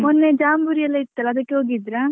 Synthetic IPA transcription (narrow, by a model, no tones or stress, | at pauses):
mɔnːed͡ʒaːmbuɾijɐlɐit̪ːɐlad̪ɐkoɡid̪ɾa